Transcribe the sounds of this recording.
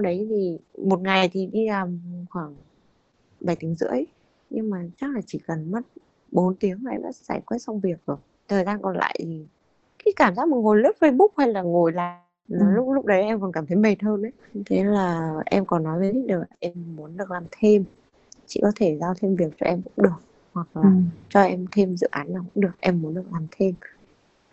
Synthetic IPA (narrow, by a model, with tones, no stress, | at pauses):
wɗə˨˦jt̪ʰi˨˩mo˨˩t̚ŋa˨˩jt̪ʰi˨˩ɗi˧laː˨˩mxwaː˧˩ŋ | ɓaː˨˩jt̪i˨˦ə˦ŋzɨ̰˧˥əj | ɲɨ˧ŋmaː˨˩t͡ɕa˦˥k̚laː˨˩t͡ɕḭ˧˩kə˨˩nmə˦˥t̚ | ɓo˨˦nt̪i˨˦əŋlaː˨ʔɛ̰˧mɗa̰ː˧˥˧sa̰ː˧˩jkwɛ˦˥t̚sa˧wŋ͡mvi˨˩ək̚zo˨˩əj | t̪ʰəː˨˩jzaː˧nkɔ˨˩nla̰ː˧˨jt̪ʰi˨˩ | kaː˨˦jkaː˧˩mzaː˦˥k̚mo˨˩ŋo˨˩lɨ˦˥p̚fə˧jɓʊ˦˥k͡p̚ha˧jlaː˨˩ŋo˧˨˩jla̰ː˧˨jj | n˨˩lʊ˦˥k͡p̚lʊ˦˥k͡p̚ɗə˨˦jʔɛ˧mkɔ˨˩nkaː˧˩mt̪ʰə˨˦jɓe˨˩t̚həː˧nʔə˨˦jt̪ʰe˨˦laː˨˩ʔɛ˧mkɔ˨˩nːɔ˨˦jvə˨˦jt̪ʰi˦˥k̚ɗəː˨˩la˨˩ʔɛ˧mːu˨˦ənɗɨ˨˩ək̚laː˨˩mt̪ʰe˧m | t͡ɕḭ˧˨kɔ˨˦t̪ʰe˧˩zaː˧wt̪ʰe˧mvi˨˩ək̚t͡ɕɔ̰˧ʔɛ˧mkʊ̰˧˥ŋ͡mɗɨ˨˩ək̚ | hwa˨˩k̚laː˨˩t͡ɕɔ˧ʔɛ˧mt̪ʰe˧mzɨ̰˧˨ʔaː˨˦nːaː˨˩kʊ̰˧˥ŋ͡mɗɨ˨˩ək̚ʔɛ˧mːu˨˦ənɗɨ˨˩ək̚laː˨˩mt̪ʰe˧m